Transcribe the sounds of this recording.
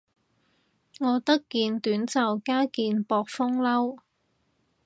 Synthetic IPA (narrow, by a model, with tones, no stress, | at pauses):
ŋɔː˨˧t̪ɐ˥kːiː˧nt̪yː˨˥nt͡sɐ˨wkaː˥kiː˧npɔː˧k̚fʊ˥ŋlɐ˥w